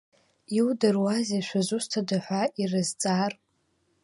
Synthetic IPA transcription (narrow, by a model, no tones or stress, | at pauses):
iwdɨrwazeʃʷazʷustʰadaħʷaʔirɨzt͡sʼaːr